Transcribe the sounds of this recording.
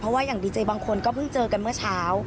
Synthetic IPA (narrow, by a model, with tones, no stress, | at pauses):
pʰɾɔ˦˥waː˥˩jaː˨˩ŋdiː˧t͡ɕəː˧baː˧ŋkʰo˧nkɔː˥˩pʰɯ˥˩ŋt͡ɕɤː˧ka˧nmɯ˥˩ɐt͡ɕʰaː˦˥w